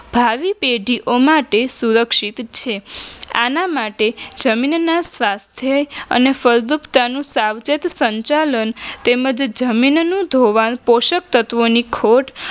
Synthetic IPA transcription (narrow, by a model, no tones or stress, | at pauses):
bʱaʋipeɖʱiʔomaʈesuɾəkʃit̪t͡ʃʰea̰namaʈed͡ʒəminnasʋast̪ʰjəə̰nefəɾd̪upt̪anũsaʋt͡ʃet̪səɲt͡ʃalənt̪eməd͡ʒd͡ʒəminnũd̪ʱoʋanpoʃək̚t̪ət̪ʋonikʰoʈ